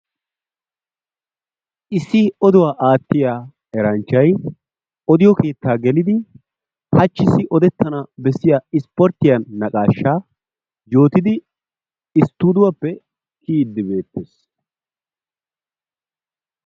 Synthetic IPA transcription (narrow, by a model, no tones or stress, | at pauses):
ʔɪsːɪɔd̪ʊwaːʔaːt̪ːɪjaː | ɛɾɐnt͡ʃːɐj | ʔɔd̪ɪjɔke̞ːt̪ːaːɡɛlɪd̪ɪ | hɐt͡ʃːɪsːɪʔɔd̪ɛt̪ːɐnɐbɛsːɪjaːɪspɔɾt̪ːɪjɐnːɐkʼaːʃːaː | jo̞ːt̪ɪd̪ɪ | ɪst̪ːuːd̪ʊwɐpːɛ | kʰiːd̪ːɪbe̞ːt̪ːeːs